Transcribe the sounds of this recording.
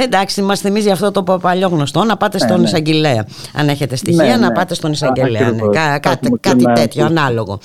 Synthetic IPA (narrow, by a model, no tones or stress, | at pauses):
e̞nd̪ɐksiimɐst̪emizʝɐft̪o̞t̪o̞ppɐʎo̞ɣno̞st̪o̞nɐpɐt̪e̞st̪o̞nisɐɲɟeleɐ | ɐ̰ne̞çe̞t̪e̞st̪içiɐnɐpɐt̪est̪o̞nisɐɲɟeleɐnekɐkɐt̪kɐt̪it̪e̞t̪çoɐnɐlo̞ɣo̞̰